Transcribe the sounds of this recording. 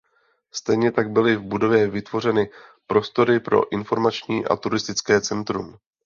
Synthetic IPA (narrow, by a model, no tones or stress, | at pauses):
st̪ɛjɲɛt̪aɡ̚bɪlɪvbudo̞vjɛvɪt̪vo̞r̝ɛnɪpɾo̞st̪o̞ɾɪpɾo̞̰ʔɪnfo̞ɾmat͡ʃɲiːʔa̰t̪uɾɪst̪ɪt͡skɛːt͡sɛnt̪ɾṵm